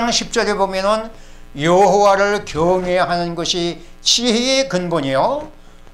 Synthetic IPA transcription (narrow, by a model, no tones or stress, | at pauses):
ŋɕʰip̚t͡ɕ͈ʌɾebomjʌnɯn | jʌɦowaɾɯɭkjʌŋeɦanɯnɡʌɕʰi | t͡ɕʰiɦeːkɯnboɲejo